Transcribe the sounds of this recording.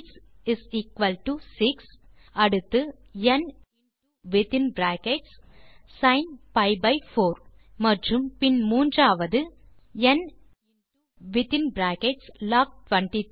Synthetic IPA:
s | ɪsiːkʋɐlʈusɪks | ɐɽɯt̪ːɯɛn | ʋɪt̪ɪ̃nbɾæːkɛʈssɐ̃ɪnpɐɪbɐɪfoːɾ | mɐʈrɯmpɪnmuːndraːʋɐðɯ | ɛn | ʋɪt̪ɪ̃nbɾæːkɛʈslaːk̚ʈʋɐ̃ɳʈi

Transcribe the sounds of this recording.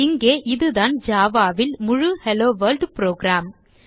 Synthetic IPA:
ɪŋɡeːʔɪðɯðaːnd͡ʒaːʋaːʋɪlmʊɻʊhɛloːʋɐːlɖpɾoːɡɾaːm

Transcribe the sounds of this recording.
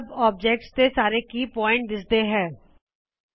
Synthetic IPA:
bɔːb̚d͡ʒɛk̚ʈstesaːɾekipɔːɪ̃ɳʈ̚d̪ɪsd̪eɦɛ̃ː

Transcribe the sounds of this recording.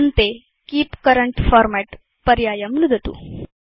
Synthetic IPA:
nt̪e | kiːpkəɾəɳʈfɔːɾmɛʈ | pɐɾjaːjɐmnud̪ʱɐt̪ṵ

